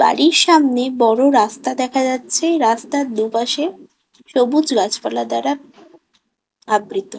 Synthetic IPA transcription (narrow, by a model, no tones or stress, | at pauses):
ba̰ɽiɕamnebɔɽoɾast̪ad̪ɛkʰad͡zat̪t͡ɕʰeɾast̪at̪̚d̪upaɕe | ɕobut͡sɡat͡ɕpəɾlad̪aɾa | abɾit̪o